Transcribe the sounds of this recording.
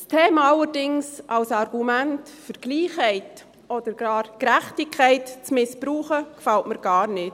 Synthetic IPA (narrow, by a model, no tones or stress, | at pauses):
stʰeːmaɑləɾdɪŋsʔɑwsɑɾɡ̥umæntfəɾɡ̥liːχhɛɪt | ɔd̥əɾɡ̥ɑːɾkɾæχtɪkʰɛɪtt͡smɪspɾuːχəkfɑltməɾɡ̥ɑːɾnɪt